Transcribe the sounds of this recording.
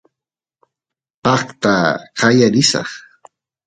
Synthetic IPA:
qɑχt̪aqɑjaɾɪsɑ̰χ

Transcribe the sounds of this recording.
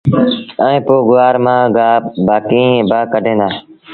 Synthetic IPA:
ɛ̃ĩːpoːɡʊaːɾmãːɡaːbaːkiːbaːkəɖʱẽːnd̪aː

